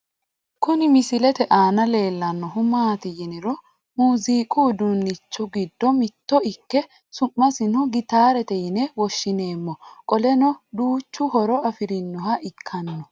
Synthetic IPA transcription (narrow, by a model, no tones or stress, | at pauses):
kʊnɪmɪsɪlɛt̪ɛʔaːnɐle̞ːlːɐnːɔɦʊmaːt̪ɪjɪnɪɾɔ | muːziːkʼuːd̪unːɪt͡ʃːɔɡɪd̪ːɔmɪt̪ːɔɪkːɛ | sʊmːɐsɪnɔɡɪt̪aːɾɛt̪ɛjɪnɛwɔʃːɪne̞ːmːɔkʼɔlɛnɔd̪uːt͡ʃːʊhɔɾɔɐfɪɾɪnːɔhɐʔɪkʰːɐnːɔ